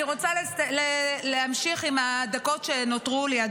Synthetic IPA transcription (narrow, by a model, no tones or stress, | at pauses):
ʁot͡salleleamʃiχimhad̪ako̞tʃe̞not̪ʁulejad